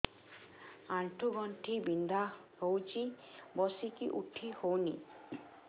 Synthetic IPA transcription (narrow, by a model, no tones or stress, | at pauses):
aɳʈʰuɡɔɳʈʰibind̪ahowt͡ʃʰi | bɔsikiʔuʈʰihownḭ